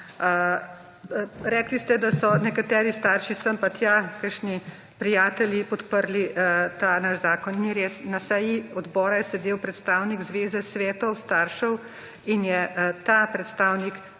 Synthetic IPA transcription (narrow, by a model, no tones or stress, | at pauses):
ɾɛːklist̪ɛd̪asɔnɛkat̪ɛːɾist̪aːɾʃisəmpat̪jakəɾʃni | pɾijaːt̪ɛljipɔt̪pəɾlit̪aːnaʃzaːkɔnːiɾeːsnasɛjiɔd̪bɔːɾajɛsɛd̪eːwpɾɛt̪st̪aːwniɡzʋeːzɛsʋɛːt̪ɔwst̪aːɾʃɔw | injɛt̪aːpɾɛt̪st̪aːwnik